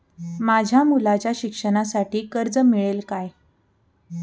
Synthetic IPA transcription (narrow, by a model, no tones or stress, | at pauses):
mad͡ʑʱjamulat͡ɕjaɕikʂəɽ̃asaʈiːkəɾd͡zəmiɭelkaj